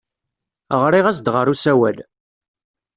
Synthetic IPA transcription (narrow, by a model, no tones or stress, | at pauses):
ʁɾiʁæsd̪ʁəɾˤusæwæl